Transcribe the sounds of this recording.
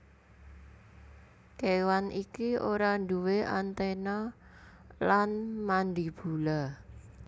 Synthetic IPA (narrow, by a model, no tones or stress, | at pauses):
kewanʔikioɾand̪uweʔa̰nt̪ena | lanmand̪ib̥ṳla